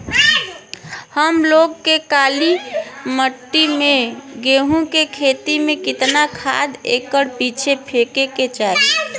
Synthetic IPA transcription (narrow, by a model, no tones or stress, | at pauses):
həmloɡkekaliməʈːimeɡeɦũkekʰet̪imẽkɪt̪nakʰa̰d̪ḛkəɽpit͡ʃʰepʰekeket͡ʃae